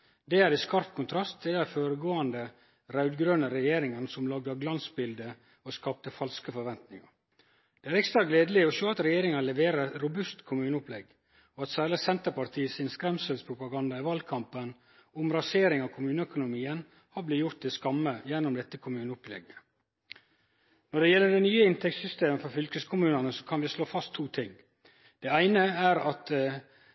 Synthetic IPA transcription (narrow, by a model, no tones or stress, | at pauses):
d̪ɛæɾɪskɑɾpkʰʊnt̪ʰɾɑst̪̚d̪ɛd̪æfoːɾəɡoːɑnd̪ə | ɾɑʉd̪ɡɾøːnəɾɛjeːɾɪŋənsɔmlɑɡ̚d̪ɑɡlɑnsbɪld̪ə | ɔskɑːp̚t̪əfɑlskəfɔɾʋɛnt̪nɪŋɑ | d̪̥ɛæɾɛkst̪ɾɑɡleːd̪əlɪɔʃøːɑt̪ɾɛjeːɾɪŋɑnlɛʋeːɾəɛt̪ɾʊbʉst̪kʰʊmʉːnəʊplɛɡ | ɔɑt̪sæːɭəsɛnt̪əpɑɾt̪ʰiːəsɪnskɾɛmsəlspʰɾʊpɑɡɑnd̪ɑɪʋɑlkʰɑmpən | ʊmɾɑseːɾɪŋɑʋkʰʊmʉːnəœkʊnʊmiːən | hɑblɪjʊɾt̪̚ɪskɑmːəjɛnːʊmd̪ɛt̪ːəkʰʊmʉːnəʊplɛ̰ɡə | nɔɖɛjɛlːəɖɛnyːəɪnt̪ʰɛktsʏst̪eːməfɔɾfʏlkəskʰʊmʉːnɑnəsɔ̥kʰɑnʋɪsloːfɑst̪ʰːuːt̪ʰɪŋ | d̪̥ɛæɪnəæɾɑt̪